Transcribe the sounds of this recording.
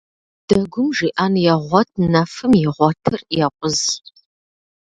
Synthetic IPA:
d̥ɐɡʷʊmʒiːʔaːnjɛʁʷɔtʰnɐfɨmjɪʁʷɔtʰɨrjɛqʷʼʊz

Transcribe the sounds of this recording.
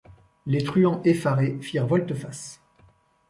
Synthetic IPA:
let̪χyɑ̃ʔefaʁefiʁvɔlt̪əfas

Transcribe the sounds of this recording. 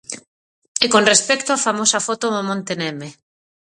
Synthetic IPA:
ekonrespɛkt̪oafamosɐfot̪omomõnt̪enɛme

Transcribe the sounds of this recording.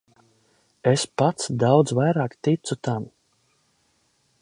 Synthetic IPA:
espat̪sd̪awd̪zvajɾaːkt̪it̪sut̪am

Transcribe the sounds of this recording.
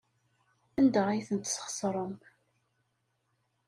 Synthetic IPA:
ənd̪əʁijθənt̪sχə̥sˤɾˤəm

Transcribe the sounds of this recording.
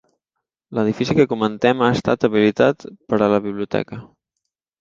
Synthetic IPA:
ləðifisikəkumənt̪ɛmaəst̪a̰t̪əβilit̪at̪pəɾələβiβliut̪ɛ̰kə

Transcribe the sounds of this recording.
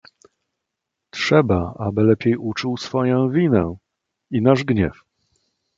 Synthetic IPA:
tʂɛbaa̰bɘlɛpʲjejut͡ʂuwsfɔjɔ̃w̃vʲinɛ | inaʐɡɲɛf

